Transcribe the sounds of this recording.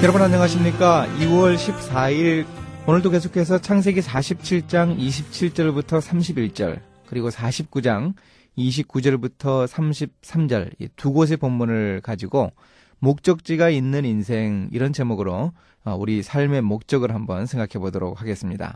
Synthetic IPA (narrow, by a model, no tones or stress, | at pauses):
jʌɾʌbʌnaɲʌŋaɕ̬ʰimɲik͈aiwʌɭɕʰip̚saiɾonɯɭdoke̞s̬ʰokʰe̞s̬ʰʌt͡ɕʰaŋs̬ʰe̞ɡisʰaɕʰip̚t͡ɕʰiɭt͡ɕ͈aŋiɕʰip̚t͡ɕʰiɭt͡ɕ͈ʌɭbutʰʌsʰamɕʰibiɭt͡ɕ͈ʌ̰ɭ | kɯɾiɡosʰaɕʰip̚k͈ud͡ʑaŋ | iɕ̬ʰip̚k͈ud͡ʑʌɭbutʰʌsʰamɕʰip̚s͈ʰamd͡ʑʌ̰ɭḭtuɡos̬ʰepomːunɯɭkad͡ʑiɡo | mok̚t͡ɕ͈ʌk̚t͡ɕ͈iɡainːɯninsʰe̞ŋḭɾʌnt͡ɕe̞moɡɯɾo | ʌuɾisʰaɭme̞mok̚t͡ɕ͈ʌɡɯɭɦambʌ̰nsʰe̞ŋɡakʰe̞bodʌɾo̰k̚haɡe̞s͈ɯmɲida̰